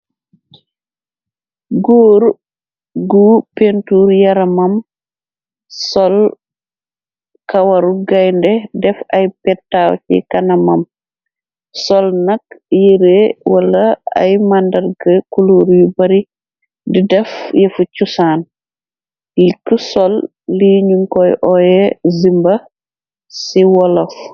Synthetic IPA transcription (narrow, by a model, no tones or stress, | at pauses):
ɡoːɾ | ɡupentuːɾjɐɾɐmɐm | sɔl | kɐwɐɾuɡɐjndɛdɛfɐjpɛtːawcḭkɐnɐmɐm | sɔlnɐkjiɾewɐlɐa̰jmandɐɾɡɐkuluɾjubɐɾi | didɛfjɛfucusaːn | jikusɔlː | iɲuŋkɔjʔɔjɛzimbɐ | siwɔlɐf